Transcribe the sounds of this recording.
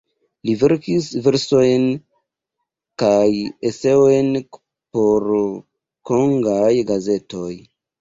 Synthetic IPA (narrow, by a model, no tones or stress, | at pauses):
live̞ɾkisve̞ɾso̞jn | kajese̞ojn | po̞ɾ | ko̞ŋɡajɡaze̞to̞j